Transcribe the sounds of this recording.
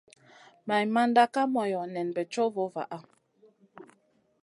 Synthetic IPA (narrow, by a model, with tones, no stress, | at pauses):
ma˨jma˦nda˦ka˦mɔ˨jɔ˨nɛ˨nbɛ˨t͡ʃo˦vo˦va̰˨ʔa˦